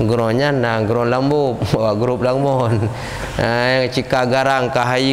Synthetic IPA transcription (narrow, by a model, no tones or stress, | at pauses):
ɡɾɔɲanaɡɾɔnlambop̚bawaʔɡɾup̚laŋmɔn | ajaŋt͡ʃikaɡaɾaŋkaɦai